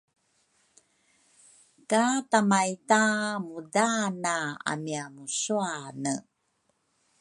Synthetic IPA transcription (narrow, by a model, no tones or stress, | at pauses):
katamajtamudanaa̰miamusuanə